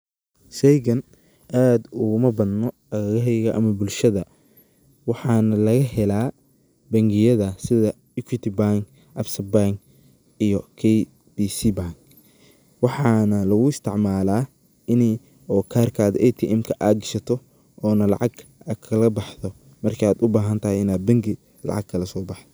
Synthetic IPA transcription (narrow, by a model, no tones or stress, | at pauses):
ʃɛjɣɐn | ʔaːd̪ʊɣʊmɐbɐðnɔ | ɐɣɣɐɦɛjɣɐʔɐmɐbʊlʃɐðɐ | wɑħɑːnɐlɐɣɐɦɛlaː | bɐŋɡɪjɐðɐsɪðɐ | ukʰit̪ibaŋk | ʔɐbsɐbaŋk | ijɔkʰɛj | biːsibaŋk | wɑħɑːnɐlɐɣʊɪst̪ʰɪʕmaːlaː | ɪnɛ | ɔːkʰaːrkʰaːd̪ʔɛt̪ʰiʔɛmkʰɐʔaːɡɪʃɐt̪ʰɔ | ʔɔːnɐlɑ̰ʕɑɡɐkʰɐlɐbɑħðɔ | mɐrkʰiaːd̪ʊbaːɦɐnt̪ʰɐɦɛɪnaːd̪̚bɐŋɡɪ | lɑ̰ʕɑ̰ɡ̚kʰɐlɐsɔːbɑħd̪ɔ